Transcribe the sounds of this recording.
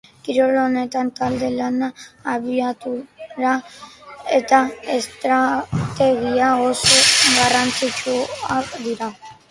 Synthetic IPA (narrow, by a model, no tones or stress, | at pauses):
kiɾolone̞t̪ant̪ald̪e̞lanaːβiat̪uɾa | et̪aest̪ɾat̪e̞ɣiaosoɡarant͡s̪it͡ʃuakd̪iɾa